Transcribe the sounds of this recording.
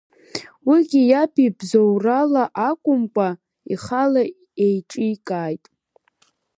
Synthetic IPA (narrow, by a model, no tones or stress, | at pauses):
wiɡʲijapibzowralaʔakʷʼʊmkʷʼa | iχala | ejʈ͡ʂʼikʼaːjtʼ